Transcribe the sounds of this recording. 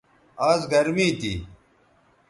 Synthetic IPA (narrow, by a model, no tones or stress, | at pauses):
aːzɡɐɾmiːt̪ḭ